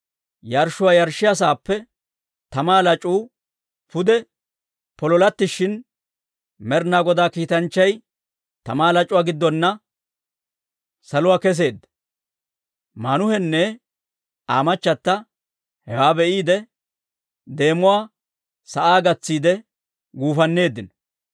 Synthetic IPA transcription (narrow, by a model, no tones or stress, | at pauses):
jɐɾʃʊwaːjɐɾʃːɪjɐs̬aːpːɛ | t̪ɐmaːlɐt͡ʃʼuː | pʊd̪ɛ | pɔlɔlɐt̪ːɪʃɪn | mɛɾnaːɡɔd̪aːkiːt̪ɐnt͡ʃːɐj | t̪ɐmaːlɐt͡ʃʼʊwaːɡɪd̪ːɔnːɐ | sɐlʊwaːkɛs̬e̞ːd̪ːɐ̥ | mɐnʊhɛnːɛ | aːmɐt͡ʃːɐt̪ːɐ | hɛwaːbɛʔiːd̪ɛ | d̪e̞ːmʊwaː | sɐʔaːɡɐt͡sːiːd̪ɛ | ɡuːfɐnːe̞ːd̪ːɪnɔ̥